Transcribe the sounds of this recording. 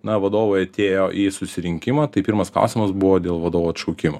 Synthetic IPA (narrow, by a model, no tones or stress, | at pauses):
nɐʋɐd̪oːʋoɪɐt̪ʲeːjoːʔiːsʊsʲɪɾʲɪŋʲkʲɪmɐːt̪ɐɪpʲːɾmɐsklˠa̰ʊsʲimɐsbʊʋoːd̪ʲeːlˠʋɐd̪oːʋuɐt̪ʃɐʊkʲɪmo